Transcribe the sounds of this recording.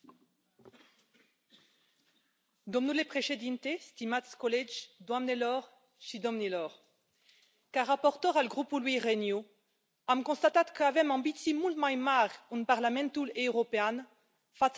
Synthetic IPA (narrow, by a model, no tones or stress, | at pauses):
d̪ɔ̃mnulepχeʃed̪int̪est̪imat̪skɔlɛd͡ʒd̪wamnelɔʁ | ʃid̪ɔmnilɔʁ | kaʁːapɔʁt̪œʁaləɡʁupulwiʁenjo | amkɔ̃st̪at̪at̪kəavɛmɑ̃bit̪simulmajmaʁunpaʁlamɛ̃nt̪uleøʁɔpean | fat̪s